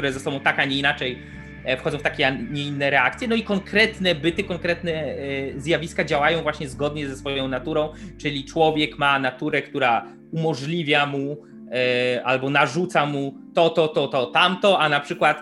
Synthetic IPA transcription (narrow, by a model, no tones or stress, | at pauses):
kt̪uɾɛzɛsɔbɔ̃w̃t̪akaɲɛinat͡ʂɛj | fxɔd̪ɔ̃wft̪akʲɛɲɛinːɛɾɛakt̪sʲjɛnɔikɔŋkɾɛt̪nɛbɘt̪ɘkɔŋkɾɛt̪nɛzjavʲiskad͡ʑawajɔ̃w̃vwaɕɲɛzɡɔd̪ɲɛzɛsfɔjɔ̃w̃nat̪uɾɔ̃w̃t͡ʂɘlʲit͡ʂwɔvʲjɛkmanat̪uɾɛkt̪uɾa | umɔʐlʲivʲjamu | ʔalbɔnaʐut̪samut̪ɔt̪ɔt̪ɔt̪ɔt̪amt̪ɔanapʂɘkwat̪